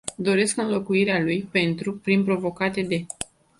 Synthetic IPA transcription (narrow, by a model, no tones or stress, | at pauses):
d̪o̞ɾe̞skɨnlo̞kuiɾealujpe̞nt̪ɾupɾinpɾo̞vo̞kat̪e̞d̪e̞